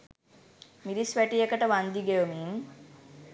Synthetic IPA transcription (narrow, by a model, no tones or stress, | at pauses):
miɾisʋæʈijekəʈəʋand̪iɡejomiːn